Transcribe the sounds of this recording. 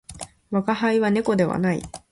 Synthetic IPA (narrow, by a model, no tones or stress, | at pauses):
βakahaiβane̞ko̞d̪e̞βa̰naḭ